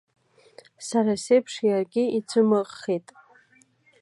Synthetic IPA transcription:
saɾasejpʰʂjarɡʲɪit͡sʷʰɨmɨqʼːejtʼ

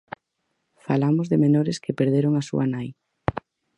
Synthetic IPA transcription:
falamozðemenoɾɪskepeɾðeɾoŋasṵanaj

